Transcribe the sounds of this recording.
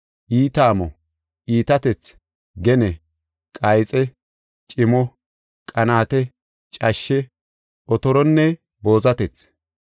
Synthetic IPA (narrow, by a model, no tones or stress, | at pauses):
ʔiːt̪aːmɔ | ʔiːt̪ɐt̪ɛt͡s | ɡɛnɛ | kʼɐjt͡sʼɛ | t͡ʃʼɪmɔ | kʼɐnaːt̪ɛ | t͡ʃʼɐʃːɛ | ɔt̪ɔɾɔnːɛ | bo̞ːzɐt̪ɛt͡s